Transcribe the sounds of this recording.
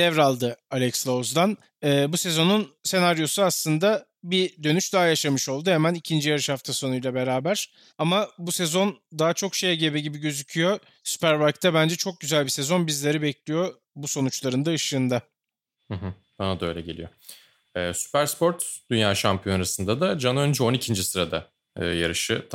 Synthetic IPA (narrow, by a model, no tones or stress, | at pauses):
d̪ɛvɾalˠd̪ɯalʲɛcslˠozd̪an | ɯːbuse̞zo̞nunse̞naɾjo̞suaslˠɯnd̪a | bid̪ø̞nyʃd̪aɦajaʃamɯʃo̞lˠd̪uhemænicʰind͡ʒijaɾɯʃhaft̪ʰaso̞nujlˠabe̞ɾaːbæɾ̥ | amabusezo̞nd̪aɦat͡ʃʰo̞kʃe̞jɛɟebɛɟibiɟø̞zycʰyjo̞ | sy̥pæɾbaɾkt̪ʰɛbænd͡ʒɛt͡ʃʰo̞k̚ɟyzælʲbise̞zo̞nbizlʲe̞ɾibɛclʲijo | buso̞nut͡ʃlˠaɾɯnd̪aɯʃɯːnd̪a | hɯɦɯ | anad̪ø̞jlʲɛɟe̞lʲḭjo̞ | ɛːsy̥pæɾspo̞ɾt̪d̪̥ynjaːʃampʰijo̞naɾasɯnd̪ad̪ad͡ʒanønd͡ʒɛo̞nicʰind͡ʒisɯɾad̪a̰ | ɯ̰ːjaɾɯʃɯt̪